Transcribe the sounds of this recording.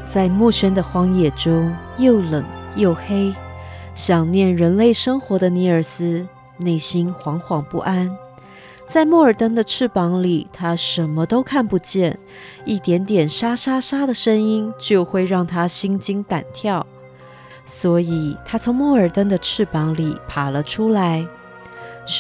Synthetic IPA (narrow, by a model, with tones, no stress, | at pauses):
t͡sa˥˧ɪmu˥˩ɕʰɥɛ˥nd̪ə˨xwɑ˧˥ŋjɛ˨˩ʈ͡ʂʊ˥ŋ | jo˥˩ʊlə̰˨˩ŋ | jo˥˩ʊxe˥ɪ | ɕjɑ˨˩ŋnjɛ˥˩nɻə˧˥nle˥˩ɪʂɤ˥ŋxwɔ˧˥d̪ə˧ni˧˥ə˞˨˩sɹ̩˥ | ne˥˩ɪɕi˥nxwɑ˧˥ŋxwɑ˨˩ŋpu˥˩ʔa˥n | t͡sa˥˧ɪmwɔ˥˩ə˞˨˩t̪ə˥ŋd̪ə˨ʈ͡ʂʰɻ̩˥˩pɑ˧˥ŋli˨˩t̪ʰa˥ʂə˧˥nmə˧t̪o˥ʊkʰa˥˩npu˧˥t͡ɕjɛ˥˩n | i˥˩t̪jɛ˧˥nt̪jɛ˨˩nʂa˥ʂa˥ʂa˥d̪ə˨ʂə˥ŋi˥nt͡ɕjo˥˧ʊxwe˥˧ɪɻɑ˥˩ŋt̪ʰa˥ɕi˥ŋt͡ɕi˥ŋt̪a̰˨˩nt̪ʰjɑ˥˩ʊ | swɔ˧˥i˨˩t̪ʰa˥t͡sʰo˧˥ŋmwɔ˥˩ə˞˨˩t̪ə˥ŋd̪ə˨ʈ͡ʂʰɻ̩˥˩pɑ˧˥ŋli˨˩pʰa˨˩lə˦ʈ͡ʂʰu˥la˧˥ɪ